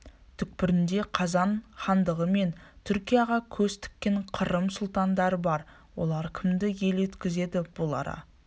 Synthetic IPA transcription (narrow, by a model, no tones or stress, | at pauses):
t̪ʰʏk̚pɪɾɪnd̪e̞qʰɑzɑɴχɑnd̪əʁəme̞nt̪ʰʏɾkʲijɑʁɑkʲʰɵst̪ʰɪ̥kʲːe̞ɴqʰəɾəmsʊlˠt̪ɑnd̪ɑɾəbɑɾ | wo̞̰lˠɑɾkʲʰɪmd̪ɪje̞let̪kʲɪze̞d̪ɪb̥ʊlˠɑ̰ɾɑ̰